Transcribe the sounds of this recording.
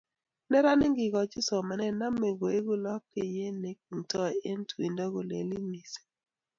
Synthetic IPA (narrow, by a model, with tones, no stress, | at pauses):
nɛ˦ɾa˦nɪ˦ŋɡɪ˨ɡɔ˨t͡ʃɪ˦sɔ˨ma˨nɛ˦na˦me˨bo˨e˦ɡu˦lɔ˦kːɪ˨je˦ne˨˦k̚u˨ntɔ˦e˦ntwi˨ndɔ˦ɡo˨lḛ˨li˦mi˨se̥˨˦